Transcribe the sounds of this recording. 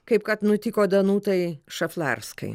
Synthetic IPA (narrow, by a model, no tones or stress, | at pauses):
kɐɪp̚kɐt̪nʊt̪ʲɪkoːd̪ɐnuːt̪ɐɪʃɐflˠɑ̰rskɐ̰ɪ